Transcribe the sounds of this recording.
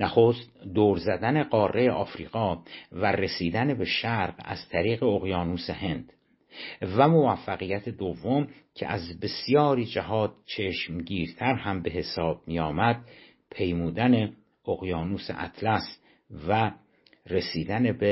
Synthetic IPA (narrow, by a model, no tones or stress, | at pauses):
næxoːst̪̚d̪oːɾzæd̪æne̞ɢɒːrːe̞jeʔɒːfɾḭːɣ̥ɒːvæɾesiːd̪ænebe̞ʃæɾɢæ̰z̥t̪ʰæɾiːɣe̞oɣjɒːnuːsehe̞nd̪̥ | væmovæfːæɣijæt̪ʰe̞d̪ovːo̞m | cʰḛʔæzbe̞sijɒːɾiːd͡ʒæhɒːd̪̥̚t͡ʃʰeʃmɟiːɾt̪ʰæɾhæmbe̞ɦe̞sɒːb̥̚mijɒːmæd̪̥̚ | pʰe̞jmuːd̪æne̞ | oɣjɒːnuːsḛʔæ̰t̪ʰlæs | væ | re̞siːd̪ænebe